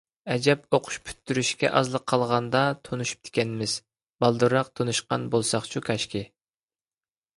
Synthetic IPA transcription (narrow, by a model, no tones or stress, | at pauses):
ɛd͡ʒɛp̚oqʰʊ̥ʃpʰy̥t̪ːyɾyʃkʲɛ̰ʔɑzlˠəqʰːɑlˠʁɑnd̪ɑt̪ʰonuʃu̥p̚t̪ʰɪ̥kʲɛnmɪz̥ | bɑlˠd̪uɾɑq̚t̪ʰonuʃqɑnbolˠsɑχt͡ʃʰukʰʲɑʃkʲi